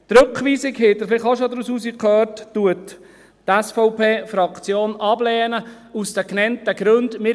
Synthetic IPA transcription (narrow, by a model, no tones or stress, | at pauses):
tɾɵkχʋiːsɪkhɪt̪əɾflɪχoʃod̪ɾusuːsikʰœːrttːuət̪ː | ɛsfɔʊpeːfɾɑkt͡sjoːnʔɑblɛːnə | usd̥̪əknɛntəɡ̥ɾɵnd̪mɪ